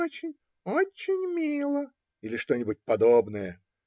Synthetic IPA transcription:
ot͡ɕɪnʲ | ot͡ɕːɪnʲmʲilˠə | ilʲɪʂt̪o̞nʲɪbʊt̚ʲpɐd̪obnəjə

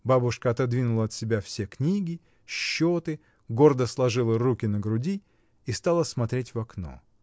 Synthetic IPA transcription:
babʊʂkəɐt̪ɐd̪vʲinʊlˠəɐt̪sʲɪbʲafsʲeknʲiɡʲɪ | ɕːot̪ɨ | ɡo̞rd̪əslˠɐʐɨlˠərukʲɪnəɡɾʊdʲi | ist̪alˠəsmɐt̪ɾʲetʲvɐkno̞̰

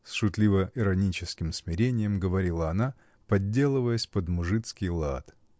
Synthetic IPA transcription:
sʂʊt̪lʲivəʔɪɾɐnʲit͡ɕɪskʲɪmsmʲɪɾʲenʲɪjəmɡəvɐɾʲilˠəɐna | pɐdʲːe̞lˠɨvəjəsʲpəd̪mʊʐɨt̪skʲɪjlˠa̰t̪

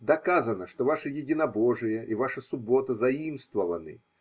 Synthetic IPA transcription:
d̪ɐkazənəʂt̪ovaʂɨjɪdʲɪnɐboʐɨjəʔivaʂəsʊbo̞t̪əzɐimst̪vəvənɨ̰

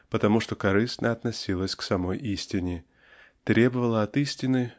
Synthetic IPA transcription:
pət̪ɐmuʂt̪o̞kɐɾɨsnʔəɐt̪nɐsʲilˠəsʲksɐmo̞jʔisʲtʲɪnʲɪ | t̪ɾʲe̞bəvəlˠəɐt̪isʲtʲɪnɨ

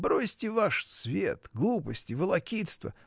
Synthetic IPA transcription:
bɾosʲtʲɪvaʂsvʲḛt̪ɡlˠupəsʲtʲɪvəlˠɐkʲit̪st̪və̰

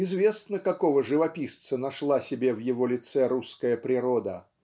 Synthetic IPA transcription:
ɪzvʲesnəkakɔvəʐɨvɐpʲist̪sənaʂlˠasʲɪbʲevjɪvɔlʲɪt̪sɛɾuskəjəpɾʲɪɾɔd̪ə

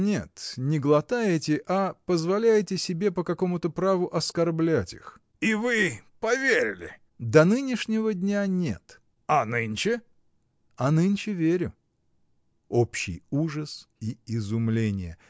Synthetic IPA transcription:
nʲe̞̰t̪nʲɪɡlˠɐt̪ajɪtʲɪʔapəzvɐlʲæjɪtʲɪsʲɪbʲe̞pəkɐko̞mʊt̪əpɾavʊʔɐskɐrblʲætʲḭx | ivɨpɐvʲeɾʲɪ̰lʲɪ̰ | d̪ɐnɨnʲɪʂnʲɪvədʲnʲanʲe̞̰t̪ | ɐnɨnʲt͡ɕɪ | ɐnɨnʲt͡ɕɪvʲeɾʲʊ | opɕːɪ̰juʐəsiɪzʊmlʲenʲɪ̰jə̰

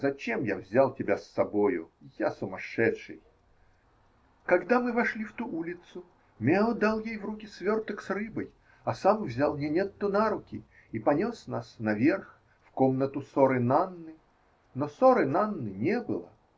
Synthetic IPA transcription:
zɐt͡ɕemja̰vzʲalˠtʲɪbʲasːɐbojʊ̰jasʊmɐʂɛt̪ʂɨj | kɐɡd̪amɨvɐʂlʲift̪uʔulʲɪt̪sʊ | mʲeod̪alˠjejvrukʲɪsvʲort̪əksrɨbəj | ɐsamvzʲalˠmnʲenʲet̪ːʊnaɾʊkʲɪ | ipɐnʲosnasnɐvʲe̞rx | fkomnət̪ʊsoɾɨnanːɨ | nosoɾɨnanːɨnʲebɨlˠə̰

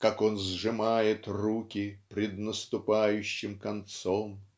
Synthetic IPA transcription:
kako̞nzʐɨmajɪt̪rukʲɪpɾʲɪd̪nəst̪ʊpajʉɕːɪmkɐnt̪som

